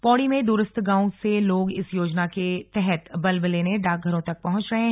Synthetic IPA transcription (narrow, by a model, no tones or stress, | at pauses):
pɔːɽimẽd̪uːɾəst̪ʰɡãːũseloːɡɪsjoːd͡ʒnaket̪ɛɦɛt̪bɐlbleːneɖaːk̚ɡʱɐɾõt̪ɐk̚pɐɦʊ̃t͡ʃɾɐɦẽ